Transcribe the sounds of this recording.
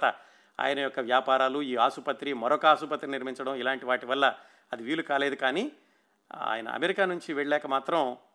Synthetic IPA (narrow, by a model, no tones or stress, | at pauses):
t̪ɐ | a̰ːjɐnɐjɔkːɐʋjaːpaːɾaːluiːaːʃupɐt̪ɾimɐɾɔkɐaːsupɐt̪ːɾiniɾmiɲt͡ʃɐɽɐmilaːɳʈiʋaːʈiʋɐlːɐ | ɐd̪iʋiːlukaːleːd̪ukaːniː | a̰ːjɐnɐ̰ɐ̰meɾikaːnuɲt͡ʃiʋɛɭlɛːkɐmaːt̪ɾɐm